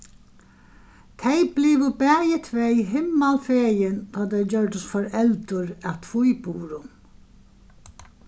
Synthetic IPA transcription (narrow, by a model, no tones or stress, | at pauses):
t̪ʰejblɪːʋʊbɛːjɪt̪ʰvɛɦɪmːalfeːjɪnt̪ʰɔːt̪ʰɛjd͡ʑœɹd̪ʊst̪fɔɾɛlt̪ʊɾæwt̪ʰvujbuːɾʊ